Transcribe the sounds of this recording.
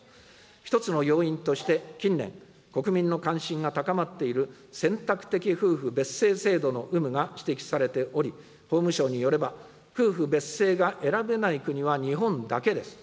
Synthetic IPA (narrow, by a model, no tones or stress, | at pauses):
çi̥t̪o̞t͡sɨno̞jo̞ːĩnt̪o̞ɕi̥t̪e̞kʲĩnːẽ̞̰ŋ | ko̞kɯ̟mʲĩnːo̞kãɰ̃ɕĩŋɡat̪akamat̪ːe̞iɾɯ̟ | sẽ̞nt̪akɯ̟̥t̪e̞kʲiɸɯ̟ːɸɯ̟be̞se̞ːse̞ːd̪o̞no̞ʔɯ̟mɯ̟ɡaɕi̥t̪e̞kʲi̥saɾe̞t̪e̞ʔo̞ɾʲi | ho̞ːmɯ̟ɕo̞ːɲ̟ijo̞ɾe̞ba | ɸɯːɸɯ̟be̞sːe̞ːɡaʔe̞ɾabe̞naikɯ̟ɲ̟iβaɲ̟iɦõ̞nd̪ake̞d̪e̞sɨ̥